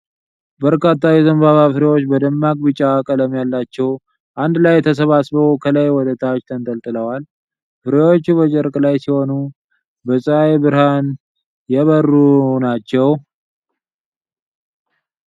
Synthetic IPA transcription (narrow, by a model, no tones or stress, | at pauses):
bəɾkat̪ːajɛzəmbaβafɨɾewo̞t͡ʃːbəd̪əmːakʼbɨt͡ʃʼːakʼələmjalːat͡ʃːɛw | ʔand̪lajɛt̪ʰəs̬əβasbəwkʰələjwɔd̪ət̪ʰat͡ʃt̪ʰənt̪ʼəlt̪ʼɨləwal | fɨɾewo̞t͡ʃːuβət͡ʃʼɛɾkʼlajsiho̞nu | bəsʼɨajbɨɾhan | jɛβərːunat͡ʃːɛw